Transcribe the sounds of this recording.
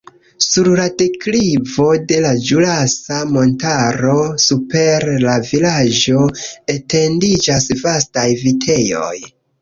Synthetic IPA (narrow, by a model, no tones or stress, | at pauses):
suɾlate̞kliivo̞de̞lad͡ʒulasamo̞ntaɾo̞supe̞ɾlavilad͡ʒo̞ete̞ndid͡ʒasvastajvitʰe̞jo̞̰j